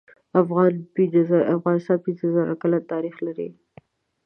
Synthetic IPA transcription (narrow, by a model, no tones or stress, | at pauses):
afɣɑnpizafɣɑnɪst̪ɑnpinzəzaɾa̰kalat̪ɑɾixlaɾḭ